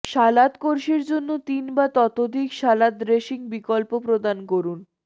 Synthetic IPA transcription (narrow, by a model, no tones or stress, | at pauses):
ʃalat̪koɾʃiɾd͡ʑonːot̪inbat̪ɔt̪od̪ʱikʃalat̪̚ɾeʃiŋbikɔlpopɾod̪ankoɾun